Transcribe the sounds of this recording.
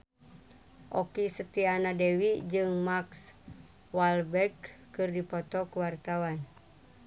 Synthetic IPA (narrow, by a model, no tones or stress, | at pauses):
ʔɔkisət̪ianadewid͡ʒɨŋmaks | walbɛrɡ̚kɨrdipɔt̪ɔkuwart̪awan